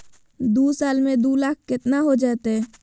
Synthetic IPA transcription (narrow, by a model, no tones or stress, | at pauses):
d̪uːsaːlmẽd̪uːlaːk̚ʰkɪt̪naɦod͡ʒaːt̪ɦɛː